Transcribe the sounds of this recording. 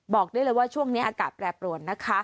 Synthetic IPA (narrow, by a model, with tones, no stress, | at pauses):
bɔː˨˩k̚du˥˩əlɤː˧jwaː˥˩t͡ɕʰu˥˩əŋniː˦˥ʔaː˧kaː˨˩t̪̚pɾɛː˨˧˩pɾu˨˩ən̚na˦˥kʰa˦˥